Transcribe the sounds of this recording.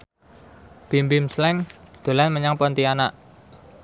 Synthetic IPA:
b̥imbimslɛŋd̪̥o̤lanməɲaŋpɔnt̪ianaʔ

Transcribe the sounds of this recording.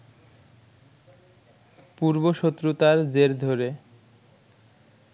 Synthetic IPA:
puɾboʃot̪ːɾut̪aɾd͡ʑeɾd̪ʱoɾe

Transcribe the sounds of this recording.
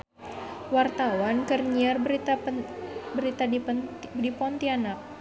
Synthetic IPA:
wart̪awankərɲiarbt̪a | bəɾit̪a | dipɔnt̪ianak̚

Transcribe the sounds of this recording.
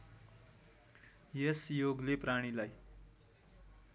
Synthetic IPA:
jesjoɡlepraɽ̃ilaj

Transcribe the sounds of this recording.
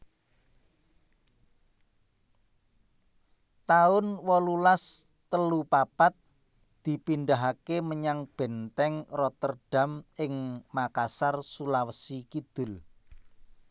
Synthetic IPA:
t̪aʊnwɔlulas | t̪əlupapat̪̚ | d̪̥i̤pinɖaɦakeməɲaŋb̥ɛ̤nt̪ɛŋrɔt̪ərɖ̥a̤mɪŋmakasarsulawəsikid̪̥ʊ̤l

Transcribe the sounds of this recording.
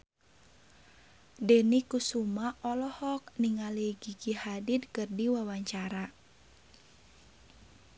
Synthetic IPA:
dɛnikusumaʔɔlɔhɔk̚niŋaliɡiɡihadid̪̚kɨrdiwawaɲt͡ʃaɾa

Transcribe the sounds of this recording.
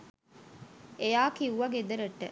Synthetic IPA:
ejaːkiuʋɐɡed̪ɐɾɐʈːḛ

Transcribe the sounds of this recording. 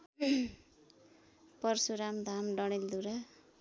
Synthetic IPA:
pʌrsuɾamd̪ʱamɖʌɽild̪uɾa

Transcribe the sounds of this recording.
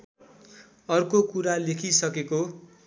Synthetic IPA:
ʌrkokuɾalekʰisʌkeko

